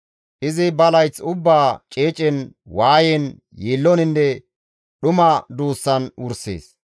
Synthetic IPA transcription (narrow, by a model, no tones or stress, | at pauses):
ʔɪzɪbɐlɐjt͡sʊbːaːt͡ʃʼeːt͡ʃʼɛnwaːjɛn | jeːlːɔnɪnːɛ | ɗʊmɐd̪uːsːɐnʊɾsḛːs